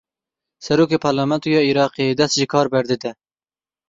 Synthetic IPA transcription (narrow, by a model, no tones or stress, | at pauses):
sɛɾoːkeːpʰɑɾlɑmɛnt̪ujɑːiɾɑːqeed̪ɛst̪ʒikʰɑːɾbɛɾd̪ɨd̪ɛ